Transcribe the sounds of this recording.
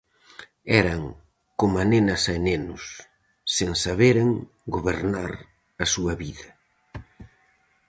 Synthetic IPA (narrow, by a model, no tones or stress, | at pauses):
ɛɾɐŋ | komanenɐsaenenʊsː | eŋsaβeɾeŋ | ɡoβeɾnaɾ | ɐsuɐβiðɐ